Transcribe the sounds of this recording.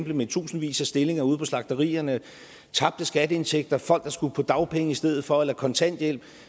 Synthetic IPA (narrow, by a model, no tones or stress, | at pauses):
mbləmet͡sʰṵːsn̩ʋḭːsæsd̥e̝le̝ŋɐuð̞̰ˠpʰɒ̽slɑ̈ɡ̥d̥ɐʁḭːɐnə | t͡sʰɑ̈b̥̚d̥əsɡ̥æd̥əe̝nt͡sʰeɡ̥̚d̥ɐfɒ̽l̰ɡ̥d̥ɑ̈sɡ̥upʰɒ̽d̥ɑ̈ʊpʰeŋəisd̥eð̰ˠð̩ˠfɒ̽elɐkʰɒ̽nt͡sʰæn̰d̥jel̰b̥